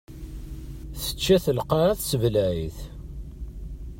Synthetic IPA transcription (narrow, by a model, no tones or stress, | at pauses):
θə̥t͡ʃːæθəlqɑɾaθsəvlæiθ